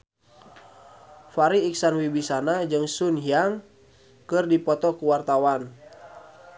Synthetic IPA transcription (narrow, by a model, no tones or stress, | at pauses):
faɾiːksanwibisanad͡ʒɨŋsunɦiaŋ | kɨrdipɔt̪ɔkuwart̪awan